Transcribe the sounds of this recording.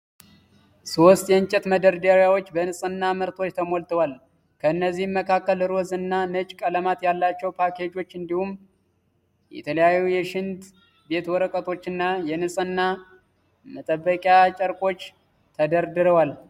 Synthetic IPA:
so̞st̪jɛɨnt͡ʃʼɛt̪məd̪əɾd̪əɾjawot͡ʃːbənɨsʼɨnːamɨɾt̪ʰo̞t͡ʃːt̪ʰəmo̞lt̪ʰəwal | kʰəɨnːəzːihmːəkʰakːəlɨɾozɨnːanɨt͡ʃʼkʼələmat̪jalːat͡ʃːɛwpʰakʰe̞d͡ʒo̞t͡ʃːɨnd̪ihum | jɛ̰t̪ʰələjajːujɛʃɪnt̪ | be̞t̪wɔɾəkʼət̪ʰo̞t͡ʃːɨnːajɛnɨsʼɨnːa | mət̪ʼəbːəkʼjat͡ʃʼəɾkʼo̞t͡ʃː | t̪ʰəd̪əɾd̪ɨɾəwal

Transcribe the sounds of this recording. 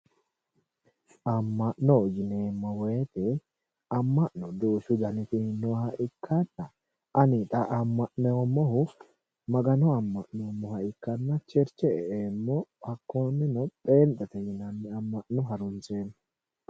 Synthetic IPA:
ʔɐmːɐʔnod͡ʒɪneːmːɔweːt̪ɛ | ɐmːɐʔnɔd̪uːʃʊd̪ɐnɪt̪ɪhɪnːohɐʔɪkʰːɐnːɐ | ʔɐnɪt̪ʼɐʔɐmːɐʔnomːɔɦʊ | mɐɡɐnɔɐmːɐʔnomːɔhɐʔɪkːɐnːɐt͡ʃɛɾt͡ʃɛɛemːɔɐkːoːnːɛnɔpʼeːnt̪ʼɛt̪ɛjɪnɐnːɪɐmːɐʔnʊɦɐɾʊnseːn

